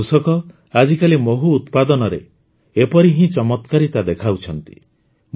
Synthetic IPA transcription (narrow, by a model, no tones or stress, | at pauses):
usɔkɔ | ad͡ʒikalimoɦuːt̪pad̪ɔnɔɾe | epɔɾiɦĩt͡ʃɔmɔt̪kaɾit̪ad̪ekʰawt͡ʃʰɔnt̪i̥̰